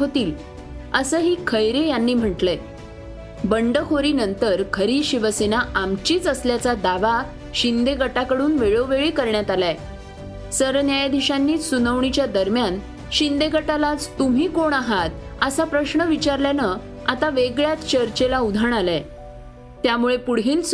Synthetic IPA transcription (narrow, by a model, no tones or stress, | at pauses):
ɦot̪iːl | əsəːɦiːkʰəjɾejanːiːm̤əʈle | bəɳɖəkʰoɾiːnənt̪əɾkʰəɾiːɕiʋəsenaʔamt͡ɕiːt͡səsljat͡sad̪aʋa | ɕind̪eɡʱəʈakəɽuːnʋeɭoʋeɭiːkəɾɳjat̪ala | səɾnjajd̪ʱiɕanːiːsunəʋɳit͡ɕjad̪əɾmjan | ɕind̪eɡʱəʈalat͡st̪um̤iːkoɳaɦat̪̚əsapɾəɕɳəʋit͡ɕaɾljanə | at̪aʋeɡɭjat͡s̪t͡ɕəɾt͡ɕelaud̪ʱəɳala | t̪jamuɭepuɽiːns